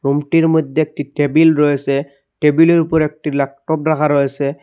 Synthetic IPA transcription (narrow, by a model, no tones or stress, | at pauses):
ɹumtiɹmɔjd̪ʱːeek̚titebilɹojsɛ | ʈebileɹupɔɹek̚tilak̚tɔp̚ɹakʰaɾojsɛ